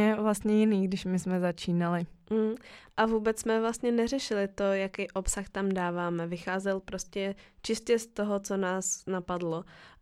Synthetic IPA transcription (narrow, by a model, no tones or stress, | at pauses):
ɛvlast̪ɲɛjɪniːɡdɪʃmɪsmɛzat͡ʃiːnalɪ | ʔavuːbɛt͡ssmɛvlast̪ɲɛnɛrɛʃɪlɪt̪o̞jakijʔo̞psaxt̪amdaːvaːmɛvɪxaːzɛlpɾo̞scɛt͡ʃɪstcɛst̪o̞ɦo̞t͡sonaːsnapadlo